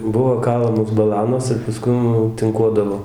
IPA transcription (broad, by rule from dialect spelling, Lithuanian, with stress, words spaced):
ˈbʊʋoː ˈkɑːlˠɐmoːs bɐˈlˠɑːnoːs ɪr pɐˈskʊm jɛʊ tɨŋˈkuɔdɐʋoː